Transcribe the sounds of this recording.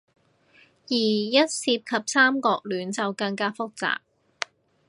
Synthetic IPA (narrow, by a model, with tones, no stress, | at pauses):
jiː˨˩jɐ˥t̚siː˧p̚kʰɐ˨p̚saː˥mkɔː˧k̚lyː˨˥nt͡sɐ˨wkɐ˧ŋkaː˥fʊ˥k̚t͡sa̰ː˨k̚